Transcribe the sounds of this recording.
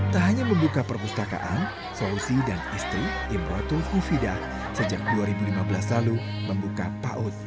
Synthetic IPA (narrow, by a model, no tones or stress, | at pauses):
t̪aɦaɲaməmbukapərpust̪aka̰ʔan | sousidanɛst̪ɾi | imɾɔt̪ʊufida | səd͡ʒak̚duaɾibulimabəlaslalu | məmbukapa̰ʔʊt̪̚